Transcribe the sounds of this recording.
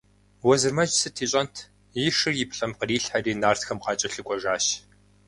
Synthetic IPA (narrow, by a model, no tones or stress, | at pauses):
wɔzɨrmɐd͡ʒsɨtʰiːɕʼɐntʰ | jɪʂɨrjɪpʰɬʼɐmqəriːɬħariːnaːrtxɐmqɑːt͡ʃʼɐɬɨkʷʼɔʒaːɕ